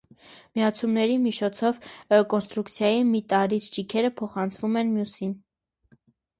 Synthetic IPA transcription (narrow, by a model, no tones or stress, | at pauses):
miɑt͡sʰumnɛɾimit͡ʃʰɔt͡sʰɔvkɔnst̪ɾukt͡sʰjɑjimit̪ɑɾit͡sʰd͡ʒikʰɛɾəpʰɔχɑnt͡sʰvumɛnmjusin